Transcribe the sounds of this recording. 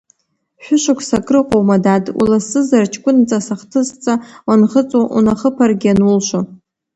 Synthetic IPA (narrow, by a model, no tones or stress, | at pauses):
ħʷᶣʊʃʷakʷʰsakʼrɨqʼowmadadʼṵlasɨzart͡ʃʰkʷʼʊnt͡sʼasaχtʰɨst͡sʼawanχət͡sʼoʔṵnaχəpʰarɡʲanulʃʷo